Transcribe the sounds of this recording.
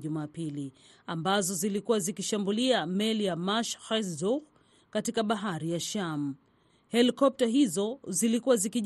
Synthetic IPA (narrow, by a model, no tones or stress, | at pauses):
ʄumaːpili | ambazɔzilikuwazikiʃambuliamɛlijamaʃxasdɔk | katikaɓaɦaɾijaʃam̩ | hɛlikɔp̚taɦizɔzilikuwazikiʄ